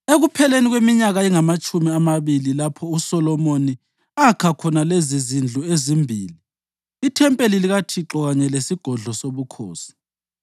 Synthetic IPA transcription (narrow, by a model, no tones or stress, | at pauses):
eɣupʰɛleniɣwemiɲaɣaiŋamat͡ʃʼumiamaβililapʰɔusɔlɔmoni | akʰakʰɔnalezizind͡ɮʱuezimbʱiːliː | tʰɛmpʼeliliɣatʰiǁɔɣaɲɛlesiɡ̥ʱɔɮɔsoβukʰo̰ːsi̥